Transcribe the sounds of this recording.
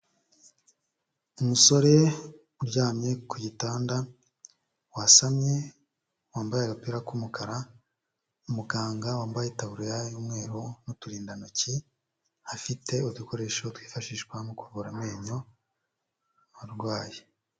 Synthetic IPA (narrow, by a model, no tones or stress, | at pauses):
umuso̞ɾe̞ | uɾɟaːmɲe̞kujitaːnda | wasamɲe̞ | waːmbajeɾapiɾakumukʰaɾa | umuɡaːŋɡawaːmbajetaβuɾojajuːmŋe̞ːɾonutuɾiːndanoci | hafitʰe̞uduko̞ɾe̞ːʃo̞twiːfaʃiʃkwanokuvuɾameːɲo | aɾɡwaːje